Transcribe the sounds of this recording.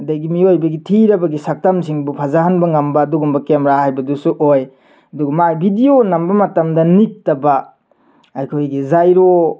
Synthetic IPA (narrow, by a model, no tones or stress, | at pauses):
ɐdajɡimiojbɐɡitʰiɾɐbɐɡisak̚tamsiŋbupʰazaɦanbɐŋɐmbɐːduɡumbɐkemɾahajbɐdusuʔoj | ɐduɡɐmajbʱidionɐmbɐmɐtamdɐnik̚tɐbɐ | ajkʰojɡizajɾo